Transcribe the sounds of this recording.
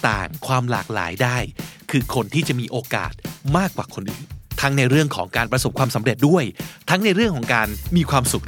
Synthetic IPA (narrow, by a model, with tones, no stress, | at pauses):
t̪a̰ː˨˩ŋkʰwaː˧mlaː˨˩k̚la̰ː˩˦jdaː˥˩jkʰɯː˧kʰo˧nt̪ʰiː˥˩t͡ɕa˨˩ʔmiː˧ʔoː˧ka̰ː˨˩t̪̚maː˥˩kːwaː˨˩kʰo˧nʔɯː˨˩nt̪ʰa˦˥ŋna˧jɾɯ˥˩əŋkʰɔː˩˦ŋkaː˧npɾa˧so˨˩p̚kʰwaː˧msa˩˦mɾe˨˩t̪̚du˥˩əjt̪ʰa˦˥ŋna˧jɾɯ˥˩əŋkʰɔː˩˦ŋkaː˧nmiː˧kʰwaː˧msu˨˩k̚